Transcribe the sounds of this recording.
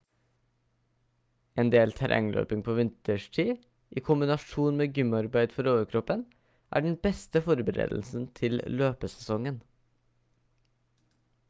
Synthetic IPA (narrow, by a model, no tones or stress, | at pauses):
ʔeːnd̪eːlt̪ʰæɾʔɛ̰ŋlʔø̰ːpɪŋpʰoːʋɪnt̪əʃʈʰiː | ʔiːkʰʊmbɪnɑʃuːnmeːɡʏmɑɾbæɪd̪fɔɾoːʋəkʰɾɔpən | ʔæ̰ːɖɳ̩bɛst̪əfɔɾbəɾḛːd̪l̩sn̩t̪ʰɪlløːpəsɛsɔŋən